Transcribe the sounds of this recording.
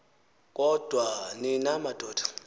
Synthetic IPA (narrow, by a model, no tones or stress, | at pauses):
kʼɔd̥ʱwanɪnamad̥ʱʼɔːd̥ḁ